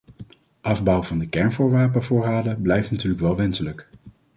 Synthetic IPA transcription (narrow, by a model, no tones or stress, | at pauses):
ʔɑvbɔwvɑndəkɛɹnvʊːɹʋaːpəvʊːɹɦaːdəblɛjftnatyːɹləkʋɛlˠʋɛnsələk